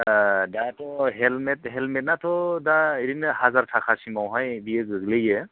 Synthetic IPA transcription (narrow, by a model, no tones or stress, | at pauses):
datɔɦɛlmɛtɦɛlmɛt̚natʰɔdaeɾinɯhazaɹtʰakʰasimawɦajbijɯkzɯɡlɯje